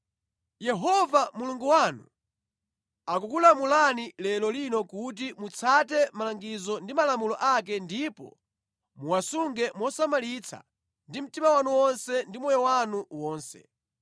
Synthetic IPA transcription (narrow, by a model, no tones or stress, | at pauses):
jɛɦɔvamuluŋɡuwanu | akukulamulanilɛlɔlinɔkut̬imut͡sʰatɛmalaŋɡizɔndimalamulɔʔak̬ɛndipɔ̰ | muwasuŋɡɛmwɔsamalit͡sʰa̰ | ndim̩timawanuwɔnsɛndimɔjɔwanuwɔːnsɛ̰